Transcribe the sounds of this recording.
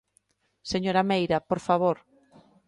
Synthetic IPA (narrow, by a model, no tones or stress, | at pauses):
seɲoɾamejɾapoɾfaβ̞oɾ